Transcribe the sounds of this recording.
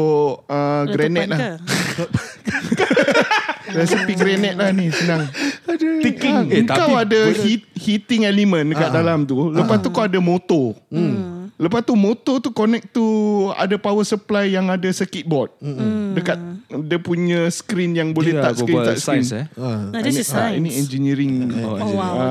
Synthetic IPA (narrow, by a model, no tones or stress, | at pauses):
əɡɡɾɛnɛt̪̚la | ɾɛsipiɡɾɛnɛt̪̚lahnisənaŋ | t̪ikiŋəŋkawadahit̪̚hit̪ɪŋɛlimə̃ndəkat̪̚dalamt̪uləpast̪ukawadamot̪ɔ | ləpast̪umot̪ɔt̪ukonɛk̚t̪ua̰dapawəsəplajːaŋadasəkit̪̚bɔt̪̚dəkat̪̚dəpuɲə̃skɾinjaŋbolɛht̪aʔəɾina̰ʔskɾn | iniɛnd͡ʒiniɾiŋ | a